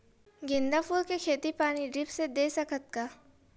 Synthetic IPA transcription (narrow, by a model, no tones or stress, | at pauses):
ɡɪ̃nd̪afuːɾkekʰeːt̪ipaːñiɖɪpsed̪eːsɐkʰət̪kaː